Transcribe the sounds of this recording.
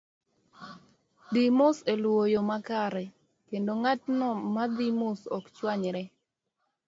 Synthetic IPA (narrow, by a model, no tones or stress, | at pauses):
dimʊselwojomakaɾɛ | kendoŋatnɔmad̪imʊsɔkt͡ʃwaɲɾɛ